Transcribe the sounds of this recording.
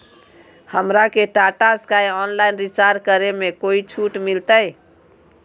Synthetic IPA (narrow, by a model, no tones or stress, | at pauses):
həmɾakeʈaʈaskajɔnlainɾit͡ʃaɾkəɾemekoit͡ʃʰuʈmilt̪əj